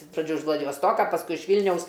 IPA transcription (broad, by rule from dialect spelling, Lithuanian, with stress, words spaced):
ɪʃ prɐˈd͡ʒʲuː ɪʃ ʋlˠɐdʲɪʋoːsˈtoːkɐ pɐsˈkʊɪ ɪʃ ˈʋʲiːlʲnʲɛʊs